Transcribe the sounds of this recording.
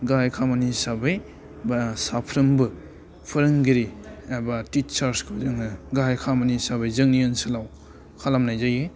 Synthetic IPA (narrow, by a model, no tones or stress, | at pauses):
ɡajkʰamanisabɯj | basapʰɾɯmbɯ | pʰɯɾɯŋɡiɾiabatit͡ʃaɾskʰɯzɯŋnɯɡajkʰamanisabɯjzɯŋniɯnsɯlaw | kʰalamnajzaje